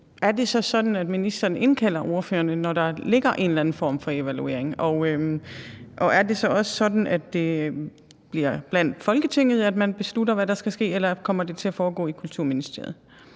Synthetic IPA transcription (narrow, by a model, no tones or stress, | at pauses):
ʔæɐd̥e̝sɒ̽sɒ̽d̥n̩æd̥minisd̥ɐːne̝nkʰæl̰ɐʔo̝ɐfø̰ːɐnənɒɾ̥ɑ̈le̝ɡ̥ɐʔe̝̰ːnlæn̩fɒ̰ːmfɒ̽e̝ʋælue̝̰ɐ̰eŋɒø | ʔɒ̽ʔæɐde̝sɒ̽ɒ̽sə̥sɒ̽d̥n̩æd̥ːe̝ | b̥liɐ̰b̥læn̰d̥fɒ̽lɡ̥ət͡sʰe̝ŋ̰ð̞̩ˠæd̥mænb̥e̝sludɐʋæɾɑ̈sɡ̥æsɡ̥e̝̰ːelɐkʰɒ̽m̰ɐd̥e̝t͡sʰe̝læfɒːɡ̥ɔ̰̽ːikʰult͡sʰuɐ̰minisd̥e̝ɐ̰ð̩ˠ